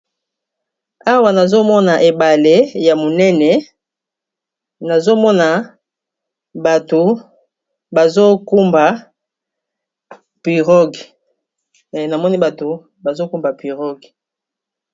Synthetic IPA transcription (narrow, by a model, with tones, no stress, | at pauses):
a˦wa˨na˨zo˦mɔ˦na˨ʔe˨ba˨le˦ja˨mo˨nɛ˦nɛ˨ | na˨zo˦mɔ˦na˨ | ba˨to˨ | ba˨zo˦ku˦mba˨ | pi˨ʁɔ˦ɡi˨ | na˨mɔ˦ni˦ba˨to˨ | ba˨zo˦ku˦mba˨pi˨ʁɔ˦ɡi˨